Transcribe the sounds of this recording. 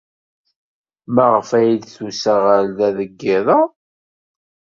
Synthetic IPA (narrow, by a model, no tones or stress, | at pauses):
mæʁəfæjlθusæʁalðæðəɡːɪðˤɑ